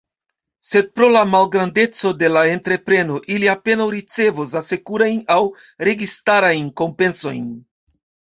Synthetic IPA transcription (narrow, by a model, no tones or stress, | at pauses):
se̞d̚pɾo̞lamalɡɾande̞t͡so̞de̞lae̞ntɾe̞pɾe̞no̞ʔiliape̞nawɾit͡se̞vos̬ase̞kuɾajnaw | ɾe̞ɡistaɾajnko̞mpe̞nso̞jn